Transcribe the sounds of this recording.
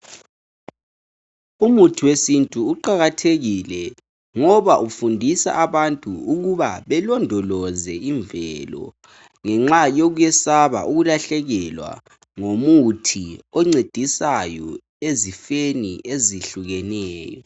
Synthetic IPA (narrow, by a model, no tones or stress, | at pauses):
umutʰiwesintʼuːǃaɣatʰeɣilɛ | ŋɔβaʔufundʱisa̰ʔaβantʼuuɣuβa̰βɛlɔndʱɔlɔzɛiɱvɛlɔ̰ | ŋɛŋ͡ǁajoɣujɛsaβa̰ʔuɣulaɬɛɣɛlwa̰ | ŋomutʰiɔŋ͡ǀed̥ʱisajɔ | ezifeniʔeziɬuɣɛnɛːjɔ̰